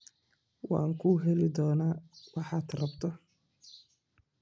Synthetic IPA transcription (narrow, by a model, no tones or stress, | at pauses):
wɑ̰ːŋkʰuːɦɛlɪd̪ɔːnaːwɑħɑːd̪rɐbt̪ʰɔ